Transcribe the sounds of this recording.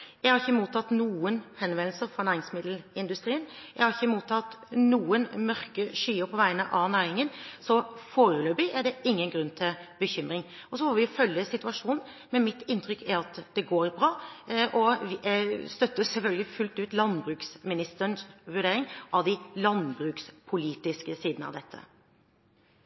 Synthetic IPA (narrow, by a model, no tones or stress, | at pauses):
jæɡhɑɾɪçəmuːt̪ʰɑt̪nuːənhɛnʋɛnlsəɾfɔɾnæːɾɪŋsmɪd̪l̩ɪnd̪ʉst̪ɾiːənjæɪhɑɾɪçəmuːt̪ʰɑt̪nuːənmœɾkəʂyːəpʰɔʋæɪənəʔɑʋnæːɾɪŋənsɔfoːɾəløːbɪʔæɖɛɪŋːənɡɾʉnːt̪ʰɪlbəçʏmɾɪŋ | ɔsɔfɔːʋɪfœljəsɪt̪ʉɑʂuːnn̩ | mɛnmɪt̪ɪnt̪ʰɾʏkʰːæɾɑt̪d̪ɛɡoːɾbɾɑːʔɔ | st̪œt̪ːəsɛlfœlɡəlɪfʉlt̪ʉːt̪lɑnbɾʉːksmɪnɪst̪əənsʋʉɖeːɾɪŋʔɑʋd̪ɪlɑnbɾʉːkspʰʊliːt̪ɪskəsiːd̪nəɑ̰ʋd̪ɛt̪ʰːə̰